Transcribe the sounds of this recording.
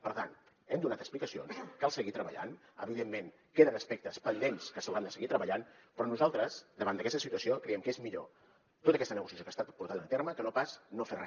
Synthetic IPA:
pəɾt̪a̰nt̪ | ɛmd̪unat̪əksplikəsio̰nskalˠsəɣit̪ɾəβə̰ʎa̰n | ə̰βiðemːen | keðənəspɛk̚t̪əspənd̪enskəsəwɾand̪əsəɣit̪ɾəβəʎanpɾɔnuzalˠt̪ɾəzd̪əβand̪əkɛst̪əsit̪uəsiokɾɛɛmkəezmiʎo̰ | t̪ot̪əkɛst̪ənəɣusiəsjokaːst̪at̪puɾt̪aðənt̪erməkənopasnoferɛ

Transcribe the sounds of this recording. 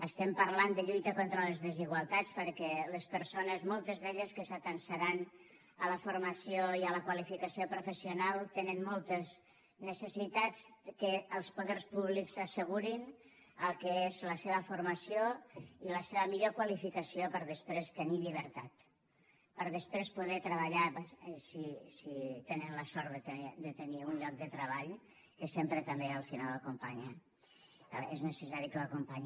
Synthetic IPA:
əst̪ɛmpəɾland̪əʎujt̪əkont̪ɾələzðəziɣwalˠt̪at͡spəɾkɛləspəɾsonəzmolˠt̪əzðeʎəskəsət̪ənsəɾan | ələfuɾmasioiələkwalifikəsiopɾufəsiunalˠt̪enənmɔlˠt̪əz | nəsəsit̪at͡skəːlˠspoðɛrspuβliksəsəɣ̞uɾin | əlˠkəezləseβəfuɾmasioiləseβəmiʎokwalifikəsiopəɾðəspɾest̪əniʎiβ̞əɾt̪at̪ | pəɾðəspɾespuðɛt̪ɾəβəʎapsisit̪enənləsɔɾt̪ðət̪əd̪ət̪əniunʎɔk̚d̪ət̪ɾəβaʎ | kəsempɾət̪əmbeəlˠfinalˠəkumpaɲə | eznəsəsaɾikələkumpaɲ

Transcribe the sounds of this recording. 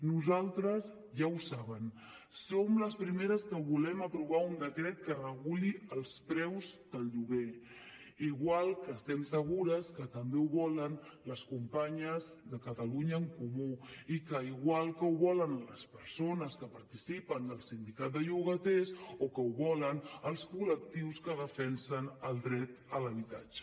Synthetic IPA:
nuzalˠt̪ɾəz | ʒawsaβ̞ən | somləspɾimeɾəskəβulɛməpɾuβaund̪əkɾɛt̪̚kərəɣuliəlˠspɾɛwzd̪əlʎuɣe | iɣwalˠkəːst̪ɛmsəɣ̞uɾəskət̪əmbeuβɔlənləskumpaɲəzðəkət̪əluɲəːŋkumuikəiɣwalˠkəwβɔlənləspəɾsonəskəpəɾt̪isipənd̪əlˠsind̪ikat̪̚d̪əʎuɣət̪esokəuβɔlənəlˠskulək̚t̪iwskəðəfɛnsənəlˠd̪ɾɛt̪ələβit̪a̰d͡ʒə̥

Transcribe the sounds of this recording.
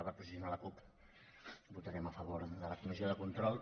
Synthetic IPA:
βapɾəsiðunaləkup | but̪əɾɛməfəβoɾðələkumizjoðəkunt̪ɾɔlˠ

